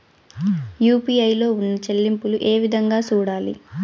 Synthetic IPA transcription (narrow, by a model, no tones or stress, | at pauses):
juːpiːɐjlo̞ːunːɐt͡ʃɐlːimpuluʔe̞ːʋid̪ʱɐŋɡaːt͡ʃuːɽaːlḭ